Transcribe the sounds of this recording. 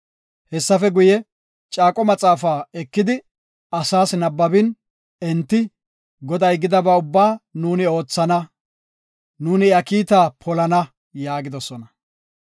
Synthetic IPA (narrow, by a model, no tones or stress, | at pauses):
hɛsːɐfɛɡʊjɛ | t͡ʃʼaːkʼɔmɐt͡sʼaːfaːɛkːɪd̪ɪ | ɐsaːsnɐbːɐbɪn | ɛnt̪ːɪ | ɡɔd̪ɐjɡɪd̪ɐbɐʊbːaːnuːnɪo̞ːt͡sːɐnɐ | nuːnɪɐkiːt̪aːpʰɔlɐnɐ | jaːɡɪd̪ɔsɔnɐ